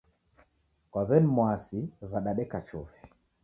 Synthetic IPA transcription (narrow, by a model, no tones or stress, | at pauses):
kwaβɛnmwasiβaɗaɗɛkat͡ʃɔfi̥